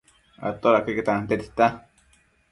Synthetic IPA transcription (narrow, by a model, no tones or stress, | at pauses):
a̰t̪oɾakeket̪at̪et̪i̥t̪a